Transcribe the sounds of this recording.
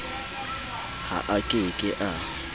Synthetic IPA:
ha̰ʔakʼɪkʼɪʔa

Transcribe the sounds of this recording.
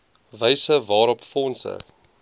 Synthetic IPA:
vəjsəvɑːɾɔpfɔnsə̰

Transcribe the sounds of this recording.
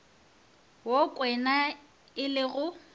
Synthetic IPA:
wokʼwɛna | ɪlɪɣʊ

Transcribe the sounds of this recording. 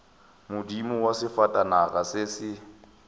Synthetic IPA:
mʊdimʊwasɪfatʼanaɣasɪsɪ

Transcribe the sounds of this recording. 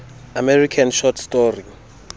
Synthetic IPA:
amɛrikʰanʃɔtʰstɔri

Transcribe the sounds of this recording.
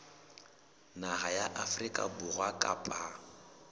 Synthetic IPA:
nahajaʔafrikʼa̰bʊrwakʼa̰pʼa

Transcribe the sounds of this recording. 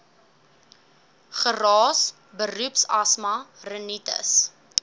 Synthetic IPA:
χərɑːs | bərupsɐsmɐrənitə̰s

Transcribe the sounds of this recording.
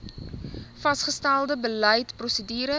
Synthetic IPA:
fɐsχəstælˠdəbələjtprɔsədyːɾə

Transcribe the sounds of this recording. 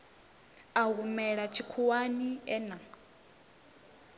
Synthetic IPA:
aɣumɛɺat͡ʃʰikʰuwaniɛna

